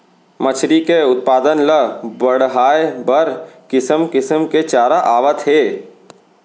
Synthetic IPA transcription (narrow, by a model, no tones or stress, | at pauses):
mət͡ʃʰɾikeʊt̪̚paːd̪ənləbəɽɦaːebəɾkɪsəmkɪsəmket͡ʃaːɾaʔaːʋət̪ɦeː